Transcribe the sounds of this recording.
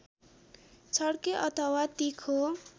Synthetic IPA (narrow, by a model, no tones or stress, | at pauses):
t͡sʰʌɽkeʔʌt̪ʰʌwat̪ikʰo